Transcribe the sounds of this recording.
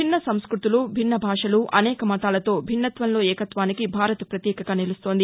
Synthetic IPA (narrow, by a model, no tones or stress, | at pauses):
inːɐsɐmskɾut̪ulubʱinːɐbʱaːʂɐluʔɐnɛːkɐmɐt̪aːlɐt̪o̞ːbʱinːɐt̪ʋɐnlo̞ːɛːkɐt̪ʋaːnikibʱaːɾɐt̪ɐpɾɐt̪jɛːkɐɡaːnilust̪o̞ːnd̪i